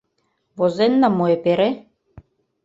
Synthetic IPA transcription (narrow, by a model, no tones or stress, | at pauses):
βozenːɑmoepeɾe